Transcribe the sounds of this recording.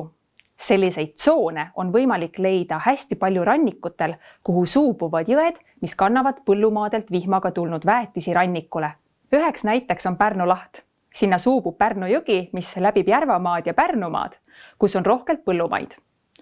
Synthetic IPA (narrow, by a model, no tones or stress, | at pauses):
se̞lʲːise̞jd̪̥̚t̪so̞ːne̞o̞nvɤjmɑlikˑle̞jd̪ɑhæsʲt̪ipɑlʲjuɾɑnʲːikːˑut̪ːˑe̞l | kuɦusuːb̥uvɑd̪̥jɤed̪̥ | miskɑnːɑvɑd̪pɤlːumɑːd̪̥e̞lt̪ˑvihmɑɡ̥ɑt̪ulnud̪væːt̪ːˑisiɾɑnʲːikːˑule̞ | yɦe̞ksnæjt̪ːˑe̞kso̞npærnolɑht̪ | sinːɑsuːb̥ub̚pærnojuɡ̥imislæb̥ib̥jærvɑmɑːd̪̥jɑpærnumɑ̰ːd̪̥ | kuso̞nro̞hke̞lt̪̚pɤlːumʔɑ̰jd̪̥